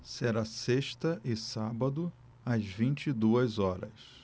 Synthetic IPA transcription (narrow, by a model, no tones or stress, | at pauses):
seɾaseʃt̪ɐʔɪsabɐd̪ʊ | ɐzvĩnt͡ʃid̪uɐzɔɾɐ̰s